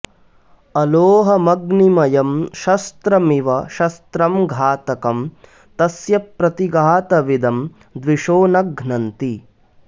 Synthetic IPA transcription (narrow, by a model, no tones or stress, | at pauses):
ɐloːɦɐmɐɡnimɐjɐmʃɐst̪ɾɐmiʋɐʃɐst̪ɾɐmɡʱaːt̪ɐkɐm | t̪ɐsjɐpɾɐt̪iɡaːt̪ɐʋid̪ɐm | d̪ʋiʃoːnɐɡʱnɐnt̪i